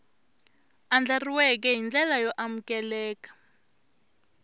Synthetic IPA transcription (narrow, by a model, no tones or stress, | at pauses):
and͡ɮariwɛk̬ɛɦind͡ɮɛlajɔʔamukɛlɛːkḁ